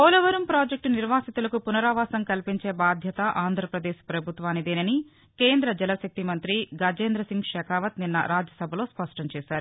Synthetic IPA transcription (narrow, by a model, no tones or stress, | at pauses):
ɐlɐʋɐɾɐmpɾaːd͡ʒek̚ʈuniɾʋaːsit̪ulɐkupunɐɾaːʋaːsɐŋkɐlpiɲt͡ʃe̞ːbaːd̪ʱjɐt̪ɐʔaːnd̪ʱɾɐpɾɐd̪eːʃpɾɐbʱut̪ʋaːnːid̪eːnɐni | ke̞ːnd̪ɾɐd͡ʒɛlɐsɐk̚t̪imɐnt̪ɾiɡaːd͡ʒeːnd̪ɾɐsiŋɡʂɛːkaːʋɐt̪ninːɐ̰ɾaːd͡ʒjɐsɐbʱɐlo̞ːspɐʂʈɐɲt͡ʃɛːʃaːɾu